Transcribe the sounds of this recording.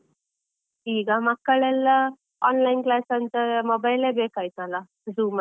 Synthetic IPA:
iːɡamakkːəɭɛl | ɔnlainklasant͡səmobajlebekajt̪ala | d͡zuːm

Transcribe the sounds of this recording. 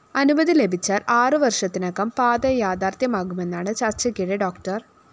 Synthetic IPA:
ɐnubɐðile̞bʱit͡ɕːaːraːrɨʋɐrʂɐt̪ːinɐkːɐmpaːd̪ɐjaːd̪aːrt̪jɐmaːɡume̞nːaːɳɨt͡ɕɐrt͡ɕɐkːiɽeɖo̞ːkʈɐr

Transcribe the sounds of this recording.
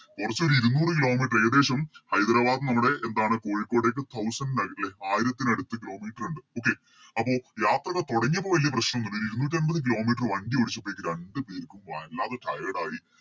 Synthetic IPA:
kurɐt͡ɕːo̞ɾuiɾunuːrɨkilo̞ːmiːʈːrɐjɐd̪e̞ːɕɐmhɐjd̪ɾaːʋaːd̪nɐmːuɽe̞ʔend̪aːɳɨko̞ːɻikːo̞ːɽeːk̬ːɨt̪ʰɐwsɐnɖɨnɐɡɐʈːile̞aːjiɾɐt̪ːinɐɽut̪ːɨkilo̞ːmiːʈɐruɳɖɨo̞ːk̬ːe̞ | ɐpːo̞ːjaːt̪rɐɣɐt̪oɽɐŋːɐpːoʋɐlijɐprɐɕnɐmunːuɳːɖoɾuiɾunuːʈ̬ːiɐnbɐðɨk̬ilo̞ːmiːʈːrʋɐnɖioɽit͡ɕːɐpːojikːɨɾeɳɖɨpeːɾikʲːumʋɐlːaːðeʈɐjɐɽaːji

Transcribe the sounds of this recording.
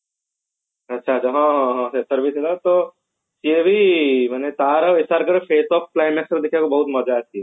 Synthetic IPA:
ɐtːʃʰat͡ʃɐɦãɦãsesəɾbiselat̪o | siebʱimɛnet̪aːɾəʋesaːɾkəɾpeːsɔːp̚klaːɪmɛːksɾd̪ɪkʰekobɐɦʊt̪mɔd͡ʒaːt̪ʰi

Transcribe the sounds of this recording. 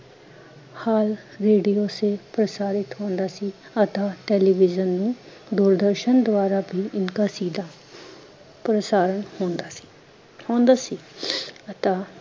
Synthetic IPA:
haːlɾeːɖijoːsepɾəsaːɾɪt̪ɦõːnd̪aːsiːət̪ãːʈɛːliːʋɪzənːũː | d̪uːɾd̪əɾʃənd̪ʊʋaːɾaːbʱiːʔɪnkaːsiːd̪aː | pɾəsaːɾəɳhõːnd̪aːsi̥ | hõːnd̪aːsiːət̪aː

